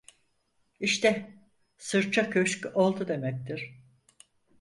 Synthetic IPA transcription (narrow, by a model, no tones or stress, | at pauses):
iʃt̪ʰɛ | sɯɾt͡ʃʰakʰøʃcʲolˠd̪ud̪e̞mɛc̚t̪ʰiɾ̥